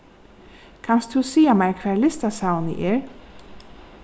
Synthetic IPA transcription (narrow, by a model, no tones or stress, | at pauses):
kʰanst̪ʰusiːamajɹkʰvɛːɹlɪst̪asawnə̰ʔɛɹ